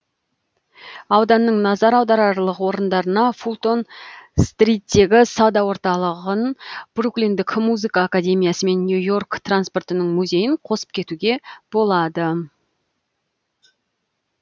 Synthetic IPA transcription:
ɑwd̪ɑnːəɴnɑzɑɾɑwd̪ɑɾɑɾlˠəʁwo̞ɾənd̪ɑɾənɑfulˠt̪o̞nst̪rʲijt̪ːe̞ɡʲɪsɑwd̪ɑwo̞ɾt̪ɑlˠəʁənb̥ruklʲijnd̪ɪkmuzɨkɑːkad̪ʲe̞mʲijasəme̞nːjujo̞rkt̪ranspo̞rt̪ənəɴmuzʲe̞jɪɴqʰo̞sə̥p̚kʲʰe̞t̪uɡʲe̞b̥o̞lˠɑd̪ə

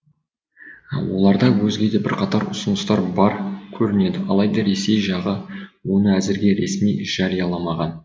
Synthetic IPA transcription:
wo̞̰lˠɑɾd̪ɑwɵzɡʲe̞d̪e̞bɪɾqʰɑt̪ɑɾʊsʊnəst̪ɑɾbɑɾkʲʰɵɾɪne̞d̪ɪʔɑlˠɑjd̪ɑɾe̞se̞jʒɑʁəwo̞nəæzɪɾɡʲe̞ɾe̞̰smijʒ̥ɑɾijɑlˠɑmɑʁɑn

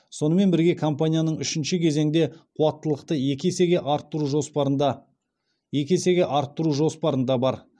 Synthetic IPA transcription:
so̞nəme̞nbɪɾɡʲe̞kʰompanʲijanəɴʏʃɪnʃɪkʲʰe̞ze̞ŋd̪e̞qʰuɑt̪ːəlˠəqt̪əjekʲeseɡʲeʔɑɾt̪ːəɾuʒo̞spɑɾənd̪ɑ | je̞kʲese̞ɡʲe̞ʔɑɾt̪ːəɾuʒo̞spɑɾənd̪ɑbɑɾ

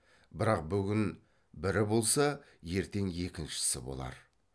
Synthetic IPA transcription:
bɪɾɑq̚bʏɡʲɪn | bɪɾɪbo̞lˠsɑ | je̞ɾt̪e̞ŋje̞kʲɪnʃɪ̥sɪbo̞̰lˠɑ̰ɾ

